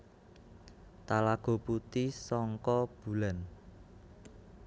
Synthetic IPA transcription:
t̪alaɡ̥o̤put̪isɔŋkɔb̥ṳlan

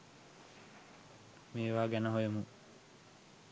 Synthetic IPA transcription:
meːʋaːɡænəɦojumu

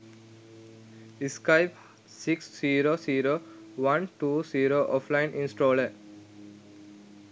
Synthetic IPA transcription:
iskaɪp | siksːiːɾoːsiːɾoː | ʋɐ̃nʈuːsiːɾoːʔɔːflãɪ̃nʔĩnsʈoːləɾ

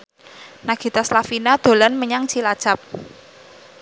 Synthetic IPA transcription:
naɡ̥i̤t̪aslafinad̪̥o̤lanməɲaŋt͡ʃilad̥ʒ̥ap̚

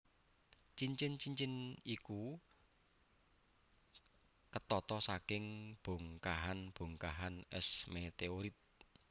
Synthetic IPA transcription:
t͡ʃiɲt͡ʃɪnt͡ʃiɲt͡ʃɪniku | kət̪ɔt̪ɔsakɪŋb̥o̤ŋkaɦanb̥o̤ŋkaɦanɛ̰smet̪eoɾit̪̚

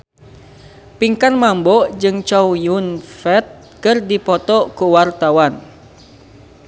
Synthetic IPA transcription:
piŋkanmambɔd͡ʒɨŋt͡ʃɔwjunfɛt̪̚ | kɨrdipɔt̪ɔkuwart̪awan

